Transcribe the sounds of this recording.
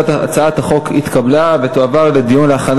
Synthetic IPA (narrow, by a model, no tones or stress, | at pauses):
t̪a̰t͡saathaχo̞kḭt̪kablave̞t̪oavaʁle̞d̪ijunleaχan